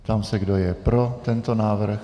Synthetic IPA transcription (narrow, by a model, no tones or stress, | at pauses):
t̪amsɛɡdo̞jɛpɾo̞t̪ɛnt̪o̞naːvr̩x